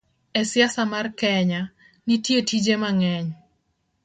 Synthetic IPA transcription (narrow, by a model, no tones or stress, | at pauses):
ɛsjasamarkɛɲa | nitjetid͡ʒemaŋɛɲ